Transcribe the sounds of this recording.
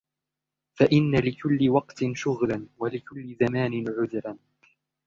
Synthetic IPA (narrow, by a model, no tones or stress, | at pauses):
faʔɪnːalɪkʊlːɪwɑqt̪ɪnʃʊɣlanwalɪkʊlːɪzamaːnɪnʕʊðɾan